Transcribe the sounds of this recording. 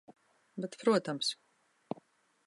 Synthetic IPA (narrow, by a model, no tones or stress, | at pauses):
bɛt̪pɾuɔt̪ams